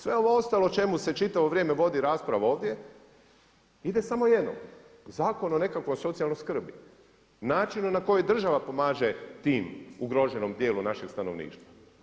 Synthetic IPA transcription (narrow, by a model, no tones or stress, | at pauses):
sʋe̞o̞ʋoo̞st̪aːlo̞t͡ʃe̞muse̞t͡ʃit̪aʋo̞ʋɾʲjeːme̞ʋo̞d̪iɾaːspɾaʋao̞ːʋd̪je̞ | id̪e̞samo̞je̞d̪no̰m | zaːko̞none̞kakʋo̞jso̞t̪sialˠnojskr̩bi | naːt͡ʃinunako̞jojd̪r̩ʒaʋapo̞maːʒe̞t̪iːmuɡɾo̞ʒe̞no̞md̪je̞ːlunaʃeɡ̥st̪ano̞ʋnḭːʃt̪ʋa